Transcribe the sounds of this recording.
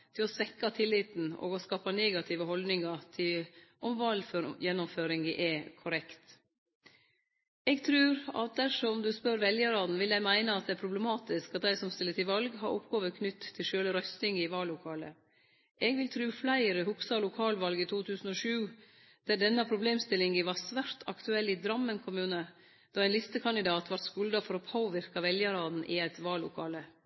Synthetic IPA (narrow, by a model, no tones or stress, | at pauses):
t̪ʰɪlɔsʋɛkːɑt̪ʰɪlːɪt̪n̩ɔ̰ːɡɔskɑːpɑneːɡɑt̪ʰɪːʋəhɔld̪nɪŋɑt̪ʰɪlʔɔmʋɑlføjɛnːʊmføːɾɪŋɡə̰ʔɛkʰʊɾɛkt̪ | ɛːɡt̪ʰɾʉːɾɑ̰t̪̚d̪æʂɔmd̪ʉspœɾʋɛljəɾɑːd̪n̩ʋɪld̪æɪmæɪnəɑt̪̚d̪ɛæɾpʰɾʊblɛmɑːt̪ɪskɑt̪̚d̪æɪsɔmst̪ɪlːətɪʋɑlɡɦɑɾʔʊ̰pːɡoːʋəɾkʰnʏt̪ʰːɪlʃøːləɾœst̪ɪŋɪʋɑːlːʊkʰɑːlə̰ | ʔɛːɡʋɪlt̪ʰɾʉːflæɪəɾəhʊksɑlʊkʰɑːlʋɑlɡit̪ʰuːt̪ʰʉːsn̩ɔːʃʉː | d̪̥æɖɛnːɑpʰɾʊbleːmst̪ɪlɪŋəʋɑsʋæɾt̪ʰɑ̰kt̪ʉɛlːɪd̪ɾɑmːənkʰʊmʉːnə | d̪̥ɑːæɪnlɪst̪əkʰɑnd̪ɪd̪ɑːt̪ʰʋɑɾʈ̪skʉld̪ɑfɔɾɔpʰoːʋɪɾkɑʋɛljəɾɑːd̪n̩ʔɪæɪt̪ʋɑːlːʊkʰɑːlə